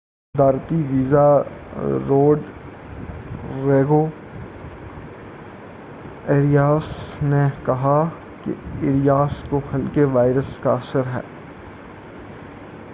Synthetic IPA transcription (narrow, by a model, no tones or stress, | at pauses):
d̪aːɾt̪iʋiːza | ɾoːɖ | ɾeːɡo | eːɾijaːsnekɐɦa | kḛɪːɾijaːskohɐlkeʋaːɪɾəskaɐsəɾɦɛ̰ː